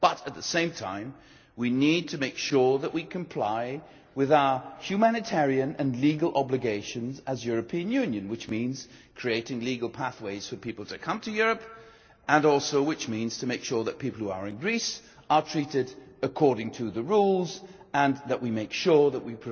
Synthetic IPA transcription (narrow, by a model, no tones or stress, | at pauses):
b̥ʌɾɨt̪̚ðəsẽɪ̃mtʰã̰ɪ̃m | winid̚tʰɨmeɪkʃʊɹðəʔwikʰɨ̃mpʰl̥aɪ | wɪðaʊə˞hjʉmænɨtʰɛɹiɨ̃nɨ̃nliɡəlˠʔɑblɨɡeɪʃɨ̃nzɨzjʊɹɨpʰĩɨ̃njʉ̃njɨ̃nwɨt͡ʃmĩnz̥kʰɹ̥ieɪɾɪ̃ŋliɡəl̩ˠpʰæθweɪz̥fə˞pʰipl̩ˠtʰɨkʰʌ̃mtʰɨjʊɹɨp | ə̃nɔlˠsoʊwɨt͡ʃmĩnz̥tʰɨmeɪkʃʊɹðɨt̚pʰipl̩ˠhuə˞ɨ̃nɡɹis | ə˞tʰɹ̥iɾɪɾəkʰɔɹɾɪ̃ŋtʰɨðɨɹulˠz | ə̃nðəʔwimeɪkʃʊɹðəʔ̚wipʰ